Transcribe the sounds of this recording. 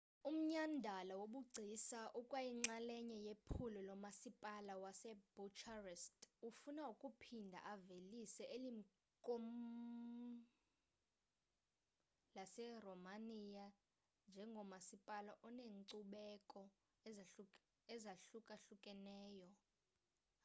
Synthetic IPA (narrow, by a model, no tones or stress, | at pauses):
um̩ɲandʱalawoɓuɡ͡ǀʱisaʔukʼwajiŋ͡ǀalɛɲɛjepʰulɔlɔmasipʼalawasɛb̥ut͡ʃʰarɛstʼufunaukʼupʰindʱa̰ʔavelisɛʔelim̩ | kʼom | lasɛrɔmanija | nd͡ʒʱɛŋɡʱɔmasipʼalaʔɔneːŋǀuɓɛkʼɔ | ɛzaɬukʼaɬukʼɛnɛːjɔ